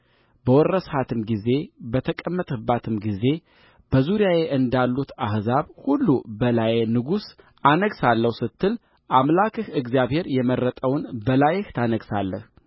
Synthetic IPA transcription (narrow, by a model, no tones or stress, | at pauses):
bəwɔrːəshat̪ʰɨmɡize̞bət̪ʰəkʼəmːət̪ʰəbːat̪ʰɨmɡize̞ | b̥əzuɾijaje̞ʔɨnd̪alːut̪ahzaβhulːubəlajnɨɡus | ʔanəɡsalːəwsɨt̪ʰːɨl | ʔamlakɨhɨɡzjaβhe̞ɾjɛmərːət̪ʼəwnbəlajɪht̪ʰanəɡsa̰lːə̰h